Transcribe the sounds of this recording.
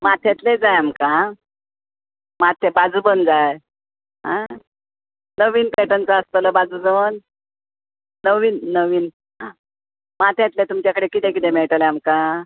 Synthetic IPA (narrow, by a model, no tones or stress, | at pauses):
mat̪ʰet̪led͡zajamka | mat̪ʰebad͡zubənd͡zaj | ɦã̰ | nəʋiːnpeʈənt͡saəst̪ələbad͡zud͡zəʋən | əʋiːnːəʋiːn | ɦã | mat̪ʰet̪let̪umt͡ɕjakəɽekit̪ekit̪emeɭʈəleamka